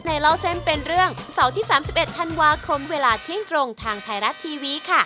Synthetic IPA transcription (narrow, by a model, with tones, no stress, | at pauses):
na˧jlaː˦˥wse˦˥mpe˧nɾɯ˥˩əŋ˧sa˩˦wt̪ʰiː˥˩saː˩˦msi˨˩p̚ʔe˨˩t̪ʰːa˧nwaː˧kʰo˧mweː˧laː˧t̪ʰi˦˥˩əŋt̪ɾo˧ŋt̪ʰaː˧ŋt̪ʰaː˧jɾa˦˥t̪ʰːiː˧wiː˦˥˩kʰa˥˩